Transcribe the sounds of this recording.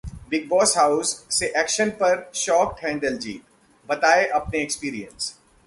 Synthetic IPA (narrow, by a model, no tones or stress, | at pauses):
bɪɡ̚bɔːsɦaːʊzːeʔɛːkʃənpɐɾʃɔːk̚ʈɦɛ̃ːɳɖəld͡ʒḭːt̪ | bɐt̪aːeʔɐpneekspiːɾijə̰̃ns